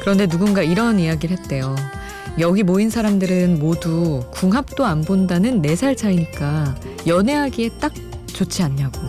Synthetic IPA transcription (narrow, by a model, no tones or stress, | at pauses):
kɯɾʌnde̞nuɡunɡaiɾʌnijaɡiɾɭɦe̞t̚t͈e̞jo | jʌɡimoinsʰaɾamdɯɾɯnmodukuŋɦap̚t͈oanbondanɯnːe̞sʰaɭsʰaiɲik͈a | jʌne̞ɦaɡie̞t͈ak̚t͡ɕot͡ɕʰiaɲːaɡo